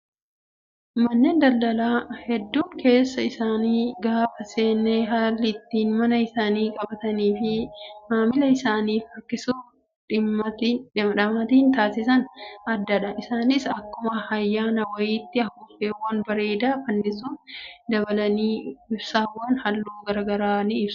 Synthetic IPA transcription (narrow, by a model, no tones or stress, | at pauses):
mɐnːend̪ɐlːɐlaːhɛd̪ːuːŋkʰe̞ːsːɐɪsaːniːɡaːfɐse̞ːnːeɦaːlːɪt̪ːiːnmɐnɐɪsaːniːkʼɐbɐt̪ɐniːfɪmaːmɪlɐɪsaːniːfɐɾkɪsu | ᶑɪmɐt̪ːɪᶑɐmːɐt̪iːnt̪aːsɪsɐnɐd̪ːɐᶑɐʔɪsaːnɪsɐkːʊmɐhɐjːaːnɐwɐjiːt̪ːɪɐhʊfeːwɐnbɐɾe̞ːd̪aːfɐnːɪsuːnd̪ɐbɐlɐniːɪbsaːwːɐnhɐlːoːɡɐɾɐɡɐɾaːnɪɪbs